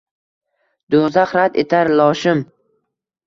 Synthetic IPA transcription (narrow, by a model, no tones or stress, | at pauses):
d̪̥ozaχɾad̪ḛt̪ʰaɾlɒʃɪm